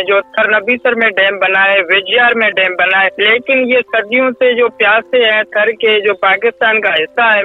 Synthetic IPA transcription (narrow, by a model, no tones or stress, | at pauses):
d͡ʒoːt̪ʰəɾnəbiːsəɾmẽɖɛ̃ːmbənaːeʋɪd͡ʒjaːɾmẽɖɛːmbənaːeleːkɪnjesəd̪ɪjõsed͡ʒoːpjaːseɦɛ̃t̪ʰəɾked͡ʒoːpaːkɪst̪aːnkaɦɪsːaɦɛ